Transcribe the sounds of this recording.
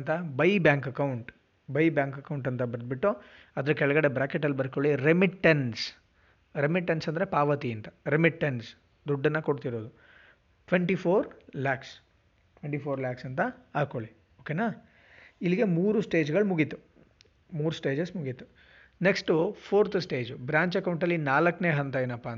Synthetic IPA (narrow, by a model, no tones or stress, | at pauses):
nt̪ɐbɐjbjaːŋkɐkɐwuɳʈ | bɐjbjaːŋkɐkɐwɳʈɐnt̪ɐbɐɾd̪̚biʈːu | ɐd̪ɐɾukɛɭɐɡɐɽe̞bɾaːkeʈ̬ːɐlːibɐɾkoɭiɾemiʈːɐns | ɾemiʈːɐnsɐnd̪ɐɾe̞paːʋɐt̪iɐnt̪ɐɾemiʈːens | d̪uɖːɐnːɐkoɽt̪iɾoːd̪u | ʈʋeɳʈipʰoːɾlaːks | ʈʋeɳʈipʰoːɾlaːksɐnt̪ɐaːkoɭi | oːkeːnaː | iliɡe̞muːɾusʈe̞ːd͡ʒɡɐɭmuɡit̪u | muːɾusʈe̞ːd͡ʒesmuɡit̪ːu̥ | neksʈupʰoːɾt̪ʰsʈe̞ːd͡ʒbɾaːɲt͡ʃɐkɐwɳʈɐlːinaːlɐkːneːɦɐnt̪ɐinɐpːan